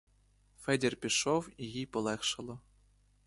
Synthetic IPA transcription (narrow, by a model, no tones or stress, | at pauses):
fʲɘ̆dʲerʲpʲiʂofiɣʲipɤ̆lˠexʂɤ̆lˠɤ̆